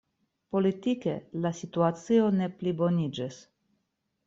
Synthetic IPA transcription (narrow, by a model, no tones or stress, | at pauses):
po̞lit̪ikḛlasit̪uat͡sio̞ne̞plibo̞nid͡ʒis